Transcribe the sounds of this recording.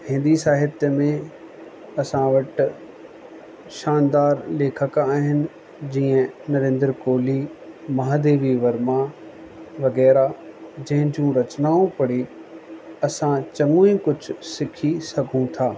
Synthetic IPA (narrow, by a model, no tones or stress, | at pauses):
hɪ̃nd̪isaːɦɪt̪mẽ | ɐsãʋɐʈ | ʃaːnd̪aːɾleːkʰəkaːɦɪnɪ̆ | d͡ʑiːə̃nɐɾẽːnd̪ɾkoːlimɐɦaːd̪eːʋiʋɐɾmã | ʋɐɣɛːɾad͡ʑɐ̃ɦɪ̃ɲd͡ʑũɾɐt͡ɕnaːũpɐɽi | ɐsãt͡ɕɐŋũĩkʊd͡ʑʱʊ̆sɪkʰisɐɡʱũt̪ʰaː